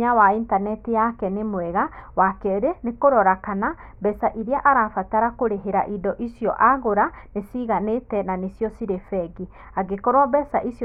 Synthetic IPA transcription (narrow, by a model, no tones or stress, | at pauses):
awaintanɛtijakɛnemwɛɣawakɛɾenekoɾɔɾakanabɛsaʔiɾeaʔaɾaːfataɾakoɾeɦeɾa̰ʔidɔʔisijɔʔaɣoɾanesiɣanetɛnanesjɔsiɾefɛɡi | aɡekɔɾwabɛsaʔisj